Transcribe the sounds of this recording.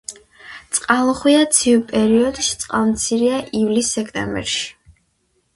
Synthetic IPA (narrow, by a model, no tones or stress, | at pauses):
t̪sʼqʼalˠɔχwiat̪sʰivpʼɛɾiɔd̪ʃt̪sʼqʼalˠmt̪sʰiɾiaʔivlisːɛkʰt̪ʼɛ̰mbɛ̰ɾʃi̥